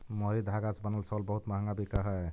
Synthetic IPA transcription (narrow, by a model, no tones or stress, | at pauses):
moɾid̪ʱaɡat͡ʃbənəlsəlbəɦut̪maɦŋɡabikaɦəj